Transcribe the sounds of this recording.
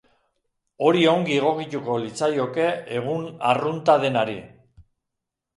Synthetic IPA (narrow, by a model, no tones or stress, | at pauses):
o̞ɾioŋɡieɣ̞o̞kic̪uko̞lit͡sajo̞ke̞eɣ̞unarunt̪að̞e̞naɾi